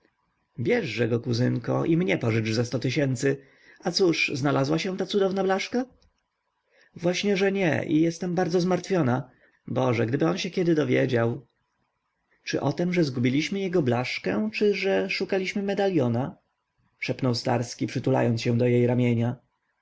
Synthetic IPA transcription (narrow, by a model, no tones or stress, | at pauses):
bʲjɛʐːɛɡɔkuzɘŋkɔ̰ʔimɲɛpɔʐɘt͡ʂzast̪ɔt̪ɘɕɛnt̪sɘ | at̪suʂznalazwaɕɛt̪at̪sud̪ɔvnablaʂka | vwaɕɲɛʐɛɲɛ̰ʔḭjɛst̪ɛmbaɾd̪ɔzmaɾt̪fʲjɔna | bɔʐɛɡd̪ɘbɘɔnɕɛkʲɛd̪ɘd̪ɔvʲjḛd͡ʑaw | t͡ʂɘ̰ʔɔt̪ɛmʐɛzɡubʲilʲiɕmɘjɛɡɔblaʂkɛ̰t͡ʂɘʐɛʂukalʲiɕmɘmɛd̪alʲjɔna | ʂɛpnɔwst̪a̰ɾskʲipʂɘt̪ula̰jɔnt̪ɕɛ̃d̪ɔjejɾamʲjeɲa